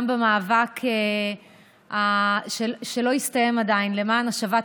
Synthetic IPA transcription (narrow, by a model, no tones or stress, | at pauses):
mbemaːvakʰe | aʃeʃelo̞ist̪aje̞mad̪ainle̞maːnaʃava